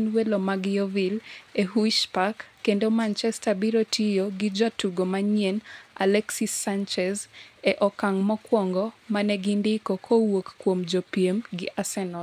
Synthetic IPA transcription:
nwelomaɡɪovileɦuʃpakːendomant͡ʃɛstabiɾotʰijoɡɪd͡ʒɔtuɡomaɲiena̰lɛksisant͡ʃɛzɛʔɔkaŋmɔkwɔŋɡɔmanɛɡindɪkokʰowokːwomd͡ʒɔpjemɡɪʔasɛnɔ

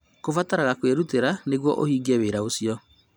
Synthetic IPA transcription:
kofataɾaɣakweɾuteɾaneɣwɔ̰ʔohiːɡɛweɾaosiɔ

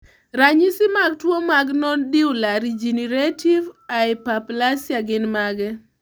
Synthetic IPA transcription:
ɾaɲisɪmaɡ̚twomaɡnɔndiwlaɾid͡ʒineɾetivaɪpaplasjaɡɪnmaɡɛ

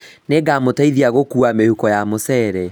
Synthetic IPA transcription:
neɡamotaiðiaɣokuamehukɔjamosɛːɾɛ

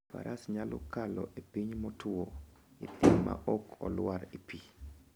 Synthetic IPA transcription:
pa̰ɾʔasɲalʔɔ̰kalɔʔepiɲmɔtʰʊoit̪ɪmːa̰ʔɔkʰɔlwaɾipi

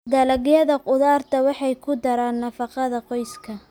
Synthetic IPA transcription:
d̪ɐlɐɣjɐðɐqʊðaːrt̪ʰɐwɑħɑjkʰʊd̪ɐɾaːnːɐfɑqɑðɐqɔjskʰɐ

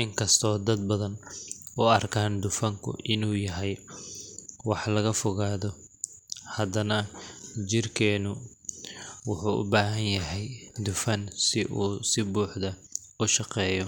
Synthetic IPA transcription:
ʔɪŋkʰɐst̪ʰɔːd̪ɐd̪̚bɐðɐn | ʔʊɐrkʰaːnd̪ʊfɐŋkʰʊ̰ʔɪnuːjɐɦɛj | wɑħlɐɣɐfʊɣaːðɔ | hɐd̪ɐnɐt͡ʃɪrkʰɛːnʊ | wʊħuːʔʊ̰baːɦɐnjɐɦɛjd̪ʊfɐnsɪʔuːsɪbuːħd̪ɐ | ʊʃɑqɛːjɔ

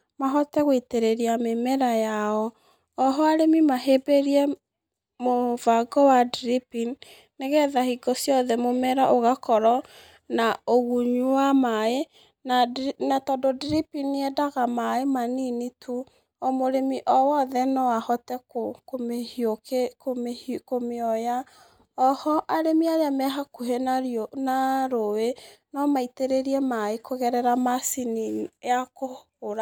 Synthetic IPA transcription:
maɦɔtɛɣweteɾeɾiamemɛɾajaɔ | ɔɦɔaɾemimaɦebeɾiɛ | movaɡɔwadɾipin | neɣɛðahiɡɔsjɔðɛmomɛɾaʔoɣakɔɾɔ | naoɣuɲuwamae | nanatɔdɔdɾipiniɛdaɣamaemaninitu | omoɾemiʔɔwɔðɛnɔwahɔtɛkokomehjokekomekomeɔja | ɔhɔʔaɾemiajamɛɦakuɦenaonaɾowenɔmaiteɾeɾiɛmaekoɣɛɾɛɾamasiniako | oɾa

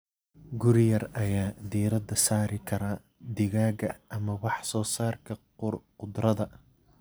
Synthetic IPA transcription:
ɡʊɾɪjɐrɐjaːd̪iːɾɐd̪ɐsaːɾɪkʰɐɾɐ | d̪ɪɣaːɣɐʔɐmɐwɑħsɔːsaːrkʰɐ | qʊd̪rɐðɐ

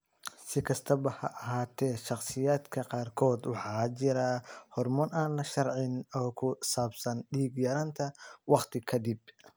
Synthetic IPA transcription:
sɪkʰɐst̪ʰɐbɐhɐʔɐɦaːt̪ʰɛːʃɑχsɪjaːd̪kʰɐqɑːrkʰɔːd̪wɑħɑːt͡ʃɪɾɐhɔrmɔnaːnlɐʃɐrʕɪnɔːkʰʊsaːbsɐnɖiːɡjɐɾɐnt̪ʰɐwɑqt̪ʰɪkʰɐd̪ib

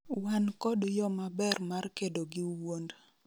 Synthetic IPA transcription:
wankɔdjɔmabɛrmarkedoɡɪwond

